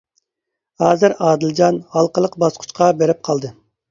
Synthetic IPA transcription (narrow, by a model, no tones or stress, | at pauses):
hɑːzɨɾɑːd̪ɪlˠd͡ʒɑnhɑlˠqəlˠəqbɑsqʰʊ̥t͡ʃqʰɑbeɾɪp̚qʰɑlˠd̪ɨ